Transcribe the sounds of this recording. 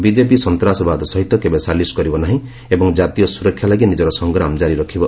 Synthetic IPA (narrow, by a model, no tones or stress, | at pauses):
bid͡ʒepisɔnt̪ɾasɔbad̪ɔsɔɦit̪ːɔkebesaliskɔɾibɔnaɦĩ | ebɔŋd͡ʒat̪ijɔsuɾɔkʰːjalaɡinid͡ʒɔɾɔsɔŋɡɾamd͡ʒaɾiɾɔkʰibɔ